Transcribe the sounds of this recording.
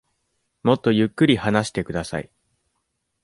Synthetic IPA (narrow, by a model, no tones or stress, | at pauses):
mo̞t̪ːo̞jɯ̟kːɯ̟ɾʲihanaɕi̥t̪e̞kɯ̟d̪asa̰ḭ